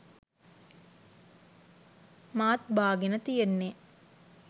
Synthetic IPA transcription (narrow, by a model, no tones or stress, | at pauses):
maːt̪bʱaːɡinɐt̪ijenːe